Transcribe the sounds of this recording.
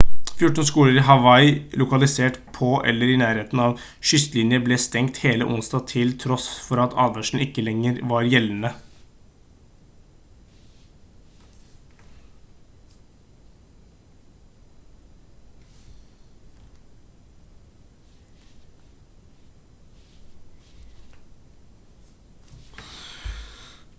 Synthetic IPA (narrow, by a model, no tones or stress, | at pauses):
fjʊʈːn̩skuːləɾɪɦɑʋɑɪlʊkɑlɪseːʈpʰɔʔɛ̰lːəɾɪnæːɾeːt̪n̩ɑʋ | ʃʏst̪lɪnjəbleːst̪ɛŋkt̪heːlə̰ʔʊnst̪ɑːt̪ʰɪlt̪ʰɾɔsfɔɾɑt̪ʰɑ̰ːd̪ʋæʂɳ̩ɪkːəlɛŋːəɾʋɑɾjɛln̩ə